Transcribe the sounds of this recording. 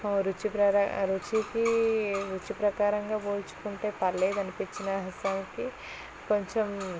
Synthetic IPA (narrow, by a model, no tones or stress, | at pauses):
ɾut͡ʃipɾɐɾɾut͡ʃikiɾut͡ʃipɾɐkaːɾɐŋɡaːboːlt͡ʃu̥kuɳʈeːpɐɾleːd̪ɐnipiɲt͡ʃinɐɦɐsaːnki | koɲt͡ʃem